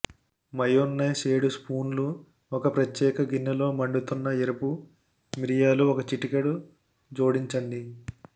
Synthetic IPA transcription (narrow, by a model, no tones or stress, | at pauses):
mɐjonːɐjseːɽuspuːnlu | ɔkɐpɾɐt̪jɛːkɐɡinːɐlo̞ːmɐɳɖut̪unːɐeɾɐpu | miɾijaːluɔkɐt͡ʃiʈikɐɽu | d͡ʒo̞ːɽiɲt͡ʃɐɳɖi